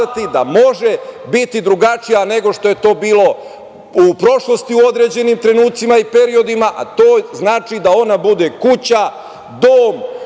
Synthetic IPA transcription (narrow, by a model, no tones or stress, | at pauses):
at̪id̪amo̞ʒebit̪id̪ɾuɡat͡ʃijane̞ɡo̞ʃt̪o̞je̞t̪o̞ːbiːlo̞ | upɾo̞ʃlˠo̞st̪iuo̞d̪ɾe̞d͡ʑe̞nimt̪ɾe̞nuːt̪simaipe̞ɾio̞d̪imaʔa̰t̪o̞ːznaːt͡ʃid̪ao̞nabud̪ekut͡ɕa | d̪oːm